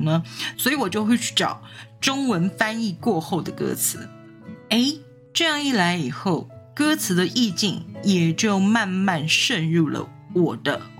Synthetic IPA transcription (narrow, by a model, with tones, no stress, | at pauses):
nə˦swɔ˧˥i˨˥˦wɔ˨˩t͡ɕjo˥˧ʊxwe˥˧ɪt͡ɕʰy̥˥˩ʈ͡ʂɑ̰˨˩ʊʈ͡ʂʊ˥ŋwə˧˥nfa˥ni˥˧kwɔ˥˧xo˥˩ʊd̪ə˩kɤ̰˥t͡sʰɹ̩˧˥˦ | e˧˥ɪ | ʈ͡ʂɤ˥˧jɑ˥˧ŋi˥˩la˧˥ɪi˨˩xo˥˩ʊkɤ˥t͡sʰɹ̩˧˥d̪ə˧ʔi˥˧t͡ɕi˥˩ŋjɛ˨˩t͡ɕjo˥˩ʊma˥˧nma˥˧nʂə˥˧nɻu˥˩lə̰˩ | wɔ˨˩d̪̥ə˦